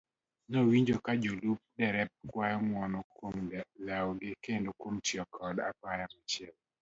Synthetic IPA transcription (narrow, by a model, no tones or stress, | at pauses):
nowiɲd͡ʒokad͡ʒolup̚dɛɾɛp̚kwajɔmwɔnɔkwomlaɔɡɪkendokwomtjɔkʰɔda̰pajamat͡ʃɪɛl